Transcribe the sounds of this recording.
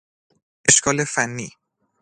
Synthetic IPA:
eʃkʰɒlefanːiː

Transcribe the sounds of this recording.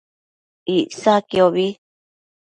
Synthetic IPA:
isakioβi

